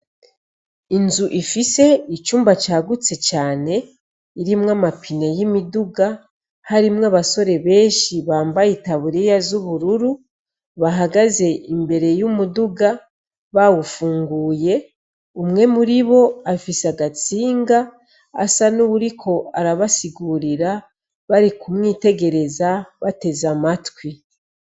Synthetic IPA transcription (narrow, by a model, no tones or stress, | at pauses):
inzuʔifise̞it͡ʃuːmbacaːɡut͡se̞caːne̞ | iɾimwamapʰinejimiduɡa | haɾimŋaːβaso̞ɾe̞βe̞ːʃiβaːmbajitaβuɾejazuβuɾuɾu | βaɦaɡaze̞imbe̞ɾe̞jumuduɡa | βawufuːŋɡuːje̞ | umŋe̞muɾiβo̞afisaɡat͡siːŋɡa̰ː | sanuβuɾikʰo̞aɾaβasiɡuɾiɾa | βaɾikumŋiːte̞ɡe̞ɾe̞zaβate̞zamatwi